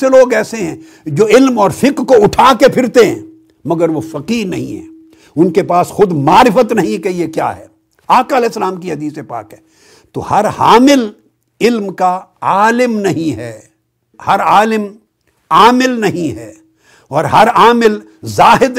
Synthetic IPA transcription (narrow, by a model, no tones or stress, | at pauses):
eloːɡɛːseɦɛ̃ː | d͡ʒoːɪlmɔːɾfɪkɾkoʊʈʰaːkepʰɪɾt̪eɦɛ̰̃ː | mɐɡəɾʋofɐqiːɾnɐɦḭ̃ɦɛ̰ː | ʊnkepaːsxʊd̪maːɾɪfət̪nɐɦĩkejekja̰ːɦɛ̰ː | aːkaɐlɛːɪsːəlaːmkiɦɐd̪iːsepa̰ːkɦɛː | t̪o̰hɐɾha̰ːmɪl | ɪlmkaaːlɪmnɐɦĩɦɛː | hɐɾaːlɪm | aːmɪlnɐɦĩɦɛː | ɔːɾɦɐɾaːmɪl | zaːɦɪd̪